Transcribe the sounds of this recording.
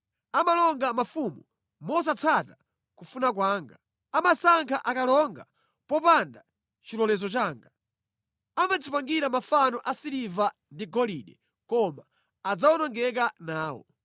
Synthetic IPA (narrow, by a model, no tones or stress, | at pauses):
amalɔŋɡamafumu | mɔs̬at͡sʰata | kufunakwaːŋɡa | amasaŋkʰaʔakalɔŋɡa | pɔpanda | t͡ʃilɔlɛzɔt͡ʃaːŋɡa | amad͡zipaŋɡiɾamafanɔʔasiɾiva | ndiɡɔliɗɛ | kɔmaː | d͡zawɔnɔŋɡɛkanaːwɔ̰